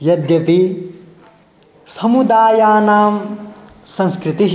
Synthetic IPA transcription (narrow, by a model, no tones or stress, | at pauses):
jɐd̪jɐpi | sɐmud̪aːjaːnaːm | sɐ̃nskɾit̪iɦ